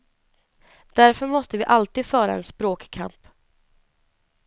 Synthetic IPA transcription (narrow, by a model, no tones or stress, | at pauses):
d̪̥æɾfœɾmɔst̪əvɪʔalt̪iːd̪fœːɾa̰ɛnspɾoːkkʰa̰mp